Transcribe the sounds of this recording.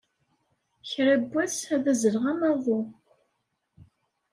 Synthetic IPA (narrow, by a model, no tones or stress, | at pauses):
çɾæbːæsæðæzəlʁæmæðˤo